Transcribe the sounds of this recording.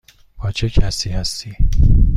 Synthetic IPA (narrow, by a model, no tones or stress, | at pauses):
bʰɒːt͡ʃʰecʰæsiːhæst̪iː